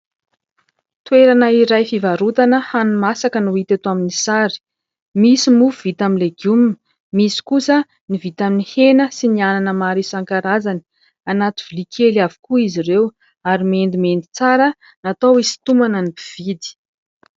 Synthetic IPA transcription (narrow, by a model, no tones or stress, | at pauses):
t̪ueɾanəiɾajfivaɾut̪anəhanumasakənuit̪et̪aminisaɾi̥ | misimufv̥it̪aminleɡjumin | misi̥kusə | nivit̪aminihenəsiniananəmaɾisaŋkaɾazani̥ | anat̪ivilikʰelavi̥kuiziɾew | aɾimend̪imend̪i̥t͡saɾə | nat̪awisi̥t̪umanənipiv̥id̪i̥